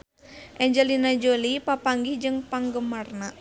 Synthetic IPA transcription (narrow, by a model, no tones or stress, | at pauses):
ʔɛɲd͡ʒɛlinad͡ʒolipapaŋɡihd͡ʒɨŋpaŋɡəmarna